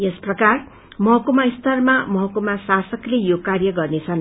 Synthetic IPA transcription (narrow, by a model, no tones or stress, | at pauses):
jesprʌkar | mʌɦʌkumaist̪ʌrmamʌɦʌkumasasʌklejokarjʌɡʌrnet͡sʰʌn